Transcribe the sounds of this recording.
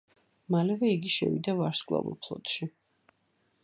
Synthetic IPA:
malɛvɛiɡiʃɛ̰vḭd̪avaɾskʼwlˠa̰vɔ̰lˠpʰlˠɔ̰t̪ʃi

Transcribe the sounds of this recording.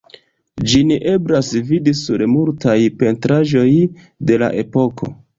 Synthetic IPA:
d͡ʒiniʔe̞bɾasvidisuɾmultajpe̞ntɾaʒo̞j | de̞la̰ʔe̞po̞kʰo̞̰

